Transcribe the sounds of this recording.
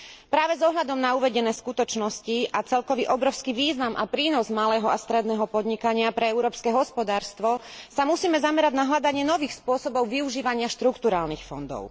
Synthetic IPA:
pɾaːʋɛzɔɦʎad̪ɔmnauʋɛɟɛnɛːskut̪ɔt͡ʃnɔsciat͡sɛlkɔʋiʔɔbɾɔʊskiʋiːznamapɾiːnɔzmalɛːɦɔast̪ɾɛd̪nɛːɦɔpɔd̪ɲikaɲɪapɾɛɛʊɾɔːpskɛɦɔspɔd̪aːɾst̪ʋɔsamusiːmɛzamɛɾaɟnaɦʎad̪aɲɪɛnɔʋiːxspʊɔsɔbɔʊʋiuʒiːʋaɲɪaʃt̪ɾukt̪uɾaːlnixfɔ̰nd̪ɔ̰ʊ

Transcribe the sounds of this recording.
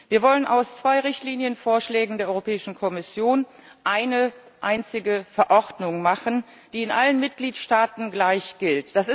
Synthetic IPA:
viːɐvɔlənʔaʊst͡sv̥aɪʁɪçtliːnjənfoːɐʃlɛːɡŋ̩deːɐɔʁopʰɛːɪʃn̩kʰɔmɪsjoːn | ʔaɪnə | ʔaɪnt͡sɪɡəfɛɐʔɔʁdnʊŋmaχən | d̥iːɪnʔalənmɪt̚ɡ̥liːtʃtaːtn̩ɡlaɪçɡ̥ɪltd̥asɪ

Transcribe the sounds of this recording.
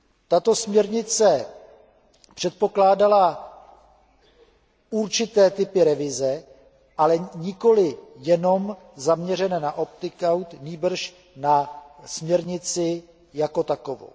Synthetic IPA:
t̪at̪o̞smɲɛɾɲɪt͡sɛ | pr̥ɛt̪̚po̞klaːdala | uɾt͡ʃɪt̪ɛːt̪ɪpɪɾɛvɪzɛ | ʔalɛɲɪko̞lɪjɛno̞m | zamɲɛr̝ɛnɛːnaʔo̞p̚t̪ɪkawt̪niːbr̩ʃ | nasmɲɛɾɲɪt͡sɪ | jako̞t̪ako̞vo̰w

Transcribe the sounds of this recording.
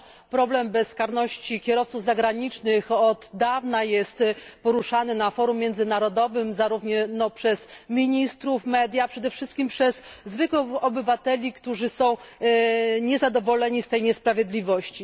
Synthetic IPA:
pɾɔblɛmbɛsːkaɾnɔɕt͡ɕikʲɛɾɔft̪suvzaɡɾaɲit͡ʂnɘxɔd̪ːavnajɛst̪pɔɾuʂanɘnafɔɾumʲːjɛnd̪zɘnaɾɔd̪ɔvɘmzaɾuvɲɛnɔpʂɛzmʲiɲist̪ɾufmɛd̪ʲjapʂɛd̪ɛfʂɘst̪kʲimpʂɛzːvɘkwɛɔbɘvat̪ɛlʲikt̪uʐɘsɔ̃w̃ | ɲɛzad̪ɔvɔlɛɲist̪ɛjɲɛspɾavʲjɛd̪lʲivɔɕt͡ɕi

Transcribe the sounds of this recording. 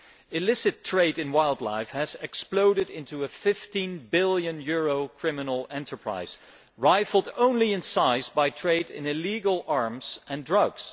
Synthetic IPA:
ɨlɪsɨtʰɹ̥eɪɾɨ̃nwaɪlˠdˡla̰ɪfhɨzɛksploʊɾɨɾɪ̃ntuɨfɪftĩnbɪlˠjɨ̃njʊɹoʊkʰɹ̥ɪmɨnl̩ˠɛ̃ntʰə˞pʰɹ̥a̰ɪz̥ | ɹaɪfl̩ˠdõʊ̃nliɨ̃nsaɪzbaɪtʰɹ̥eɪɾɪ̰̃nɪliɡl̩ˠɑɹmz̥ʔɨ̃ndɹʌɡz̥

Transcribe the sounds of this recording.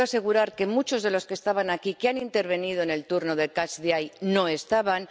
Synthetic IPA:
ase̞ɣuɾaɾke̞mut͡ʃo̞zðe̞lo̞skest̪aβanakikeanint̪e̞ɾβ̞e̞nið̞oene̞lt̪uɾno̞ðe̞kat͡ʃðjajno̞e̞st̪aβ̞an

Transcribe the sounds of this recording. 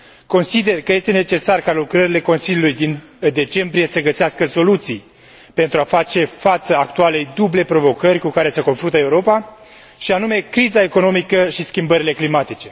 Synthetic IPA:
ko̞nsid̪e̞rkəje̞st̪e̞ne̞t͡ʃe̞sarkalukɾəɾile̞ko̞nsilʲjulujd̪in | d̪e̞t͡ʃe̞mbɾije̞səɡəseaskəso̞lut̪sij | pe̞nt̪ɾuafat͡ʃe̞fat̪səakt̪uale̞jd̪uble̞pɾo̞vo̞kərʲkukaɾe̞səko̞nfɾunt̪eəeuɾo̞pa | ʃianume̞kɾizae̞ko̞no̞mikəʃiskʲimbəɾile̞klimat̪it͡ʃe̞

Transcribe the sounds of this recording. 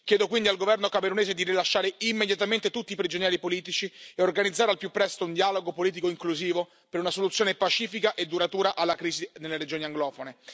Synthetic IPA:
k̟jɛːd̪okwind̪ialɡovɛrnokameɾuneːzed̪iɾilaʃːaːɾeimːed̪jat̪ament̪et̪ut̪ːiːpɾid͡ʒonjɛːɾipoliːt̪̬it͡ʃieorɡanid̪zːaːɾealpjupːɾɛst̪ound̪ialoɡopoliːt̪̬ikoiŋkluziːvo | peɾunasolut̪sːjoːnepat͡ʃiːfikaʔed̪ːuɾat̪uːɾaʔalːakɾiːzinelːeɾed͡ʒoːniaŋɡlɔːfone

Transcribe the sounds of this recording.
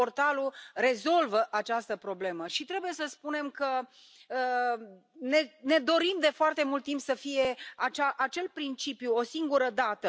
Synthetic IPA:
o̞rt̪alure̞zo̞lvəʔat͡ʃast̪əpɾo̞ble̞məʃit̪ɾe̞buje̞səspune̞mkə | ə | nene̞d̪o̞ɾimd̪e̞foart̪e̞mult̪ːimpsəfije̞at͡ʃaʔat͡ʃe̞lpɾint͡ʃipjuo̞siŋɡuɾəd̪at̪ə

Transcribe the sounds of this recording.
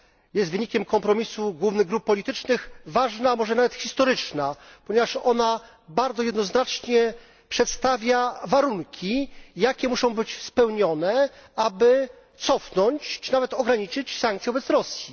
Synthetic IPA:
jɛst̪vɘɲikʲɛmkɔmpɾɔmʲisuɡwuvnɘɣɡɾup̚ːɔlʲit̪ɘt͡ʂnɘxvaʐnamɔʐɛnavɛt̪xʲist̪ɔɾɘt͡ʂnapɔɲɛvaʂɔ̰na | baɾd̪ɔjɛd̪nɔznat͡ʂɲɛ | pʂɛt̪st̪avʲjavaɾuŋkʲijakʲɛmuʂɔ̃w̃bɘt͡ɕspɛwɲɔnɛabɘ | t̪sɔfnɔɲt͡ɕt͡ʂɨnavɛt̪ɔɡɾaɲit͡ʂɘt͡ɕsaŋk̚t̪sʲɛvɔbɛt̪sɾɔsʲji

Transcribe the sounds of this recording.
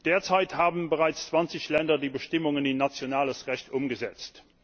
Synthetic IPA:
d̥eːɐt͡saɪthaːbənbəʁaɪt͡st͡sv̥ɑnt͡sɪçlɛndɐdiːbəʃtɪmʊŋənɪnːat͡sjonaːləsʁɛɕtʊmɡəzɛt͡st

